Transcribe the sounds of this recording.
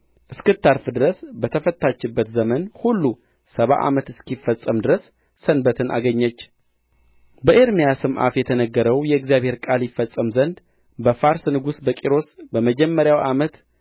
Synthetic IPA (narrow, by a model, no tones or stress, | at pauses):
ʔɨskɨt̪ʰːaɾfɨd̪ɨɾəsbət̪ʰəfət̪ʰːat͡ʃːɪbːət̪zəmənhulːu | səβa̰ʔa̰mət̪ɨskifːəsʼəmd̪ɨɾəsː | ənbət̪ʰɨnʔa̰ɡəɲːət͡ʃː | bəʔeɾmijasɨmʔa̰t̪jɛt̪ʰənəɡːəɾəwjɛɛɡzijaβhe̞ɾkʼaljɪfːəsʼːəmzənd̪ | bəfaɾsnɨɡusbəkʼiɾo̞sbəməd͡ʒɛmːəɾjawʔamət̪